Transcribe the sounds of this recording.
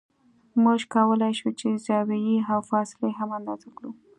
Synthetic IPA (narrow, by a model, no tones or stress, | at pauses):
muʒkɑwəlajʃut͡ʃezɑwajiawfɑsɪleɦamand̪ɑzakɽu